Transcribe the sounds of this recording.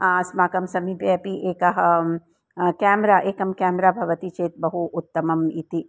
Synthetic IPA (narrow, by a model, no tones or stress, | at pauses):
aːsmaːkɐmsɐmipepiʔeːkɐɦ | kɛːmɾaːʔeːkɐmkɛːmɾaːbʱɐʋɐt̪it͡ʃeːt̪̚bɐɦuʔʊt̪ːɐmɐmit̪i